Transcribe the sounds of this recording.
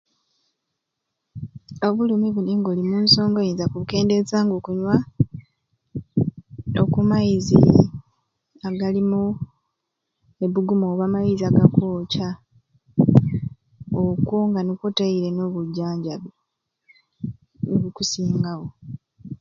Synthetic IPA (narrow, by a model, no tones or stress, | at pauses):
oβulimiβuniŋɡo̞limuːnso̞ːŋɡojinzakuβuke̞ːnde̞zaːŋɡokuɲwa | o̰kumajizḭ | aɡalimu | e̞βuɡumoːβaːmajiziaɡakoːca | okoŋɡanukotaiɾe̞noβuɟːaːɲɟaβ | noβukusiːŋɡaɣo̞